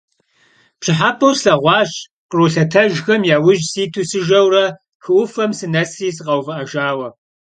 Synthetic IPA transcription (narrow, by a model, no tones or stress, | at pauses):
pʰɕɪħapʰɐwsɬɐʁʷɑːɕ | qəɾuːɬɐtʰɐʒxɐmjaːwʊʒsiːtʰuːsɨʒɐwrɐ | xɨʔʷʊfɐmsɨnɐsriːs̬ɨqɐwvɨʔɐʒaːwɐ